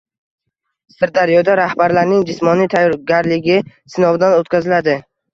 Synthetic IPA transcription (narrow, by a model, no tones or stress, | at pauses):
sɪɾd̪aɾjɒd̪aɾahbaɾlaɾnɪŋd͡ʒɪsmɒnijt̪ʰajːɒɾɡʲaɾlɪɡʲɪ | sɪnɒwd̪anot̪kʲʰazɪlad̪ɪ